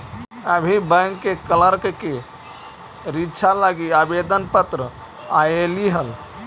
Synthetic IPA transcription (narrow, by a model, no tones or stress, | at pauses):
əbʱibə̃ŋkːekələɾkke | ɾitːt͡ʃʰalaɡiabed̪ənpət̪ɾə | ajeliɦəl